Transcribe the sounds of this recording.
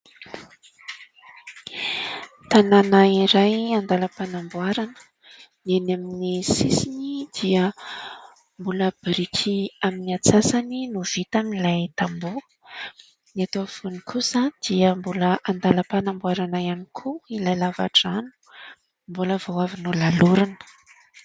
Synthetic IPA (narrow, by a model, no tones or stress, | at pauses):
t̪ananaiɾajand̪aləpanambuaɾanə̥ | nienaminisisinid̪̥iə | mbuləb̥ɾikʲʰiaminiat͡sasaninuv̥it̪amnilajt̪ambu | niat̪oafunikʰusad̪̥iəmbuləʔand̪aləpanambuaɾanaanikʰuilajlava̰ʈ͡ʂanu̥ | mbuləvowavinulaluɾunə̥